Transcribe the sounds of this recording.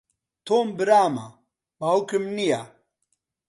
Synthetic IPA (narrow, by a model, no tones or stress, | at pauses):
t̪ʰoːmbiɾaːma̰ | baukimnija